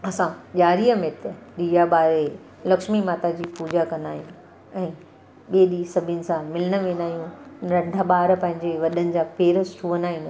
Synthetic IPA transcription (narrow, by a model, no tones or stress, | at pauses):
ɐsãʄaːɾiəmẽt̪ɐɗiːjaɓaːɾe | lɐkʃmimaːt̪ad͡ʑiːpuːd͡ʑakɐ̃nd̪aːɦijũ | ɛ̃ː | ɓeːɗiːsɐbʱɪənɪ̆sãmɪləɽ̃əʋẽːnaːɦijũɾɐ̃ɳɖʱaɓaːɾpɐ̃ɦɪ̃ɲd͡ʑeʋɐɗənɪ̆d͡ʑaːpeːɾəst͡ʃʰuːʋənaːɦɪ̃n